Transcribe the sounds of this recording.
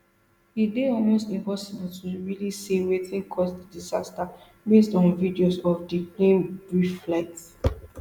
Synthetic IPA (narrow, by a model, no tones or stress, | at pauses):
hideɔlmostĩmpɔsibultʰuɹilisewetĩnkʰɔsdədizasta | bestɔ̃nvidiosɔfdiplẽnbɹifflaɪt